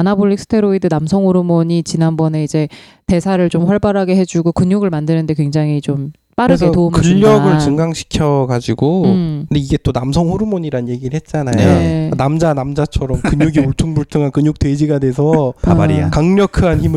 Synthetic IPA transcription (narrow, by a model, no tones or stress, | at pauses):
anaboʎːik̚s͈ʰɯ̥tʰe̞ɾoidɯnamsʰʌŋhoɾumoɲit͡ɕinanbʌne̞id͡ʑe̞ | te̞sʰaɾɯɭt͡ɕomɸwʌɭbaɾɦaɡe̞ɦe̞d͡ʑuɡokɯɲuɡɯɭmandɯnɯnde̞kwe̞ŋd͡ʑaŋɦit͡ɕom | p͈aɾɯɡetoumɯʎːʌɡɯɭt͡ɕɯŋɡaŋɕʰi̥kʰjʌɡad͡ʑiɡoɯnde̞iɡe̞t͈onamsʰʌŋhuɾumoɲiɾanje̞ɡiɾɯɭhe̞t̚t͡ɕ͈anajoenamd͡ʑanamd͡ʑat͡ɕʰʌɾʌmkɯɲuɡiuɭtʰuŋbuɭtʰɯŋɦankɯɲuk̚twe̞d͡ʑiɡadwe̞s̬ʰʌpabaɾḭja̰kaŋɲʌkʰɯançimɯ